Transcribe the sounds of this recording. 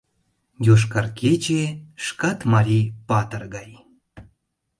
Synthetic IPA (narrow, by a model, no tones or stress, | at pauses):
joʃ̬kɑrket͡ɕeʃkɑt̪mɑɾʲipɑt̪ərɣɑj